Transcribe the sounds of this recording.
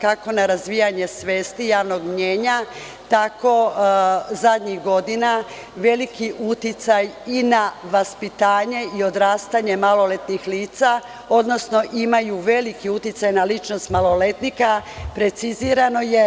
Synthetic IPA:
kako̞naɾazʋijaɲe̞sʋe̞ːst̪ijaːʋno̞ɡmɲeːɲa | t̪ako̞ | zad̪ɲixɡo̞d̪ina | ʋe̞likiʔut̪it̪sajinaʋaspit̪aːɲe̞io̞d̪ɾaːst̪aɲe̞malo̞le̞t̪nixliːt̪sa | o̞d̪no̞sno̞ʔimajuʋe̞likiut̪jit̪sajnalit͡ʃno̞st̪malˠo̞le̞t̪nikapɾe̞t̪siziːɾano̞je̞

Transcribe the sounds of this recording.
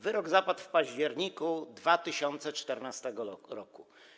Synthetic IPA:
vɘɾɔɡzapat̪fpaʑd͡ʑɛɾɲikud̪vat̪ɘɕɔnt̪sɛt͡ʂt̪ɛɾnast̪ɛɡɔɾɔku

